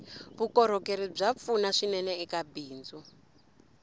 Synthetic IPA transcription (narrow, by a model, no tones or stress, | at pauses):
βukɔɾ̤ɔkeɾib͡ʐap̪funaʂinɛnɛɛkabiːnd͡zu